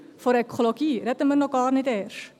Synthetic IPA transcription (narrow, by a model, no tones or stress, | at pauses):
fɔɾɛkʰoloɡiɾɛtəmərnɔkɑːrnɛtɛːr